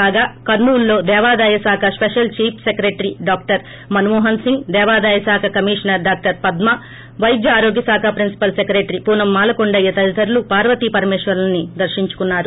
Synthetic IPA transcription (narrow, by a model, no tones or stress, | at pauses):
aːɡaːkɐɾnuːlːo̞ːd̪ɛːʋaːd̪aːjɐsaːkʰɐspeʂɐlt͡ʃiːpʰsekɾeːʈɐɾiɖaːk̚ʈɐɾ | mɐnumɔːɦɐnsiŋɡd̪ɛːʋaːd̪aːjɐsaːkʰɐkɐmiːʂɐnɐɾɖaːk̚ʈɐɾpɐd̪mɐ | ʋɐjɡ̪jɐaːɾoːɡjɐsaːkʰapɾinsi̥pɐlsekɾeːʈɐɾipuːnɐmːaːlɐkoɳɖɐjːɐt̪ɐɾit̪ɐɾulupaːɾʋɐt̪ipɐɾmɛːʂʋɐɾlɐnːid̪ɐɾʃiɲt͡ʃu̥kunːaːɾu